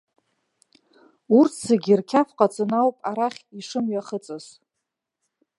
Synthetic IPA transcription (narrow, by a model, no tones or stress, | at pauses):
urtʰsaɡʲirkʲʰafqʼat͡sʼɨnawpʼaɾaχʲiʂɨmɥaχət͡sʼɨz